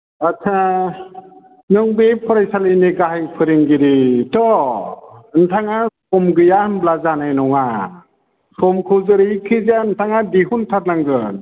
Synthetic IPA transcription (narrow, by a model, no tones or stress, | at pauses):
at͡ʃʰa | nɯŋbepʰɔɾajsalijniɡaɦajpʰɯɾiŋɡiɾitɔ | ɯntʰaŋasʰɔmɡɯjanblazanajnɔŋa | sʰɔmkʰɯzɯɾijkʰɯzantʰaŋadiɦuntʰat̚naŋɡɯ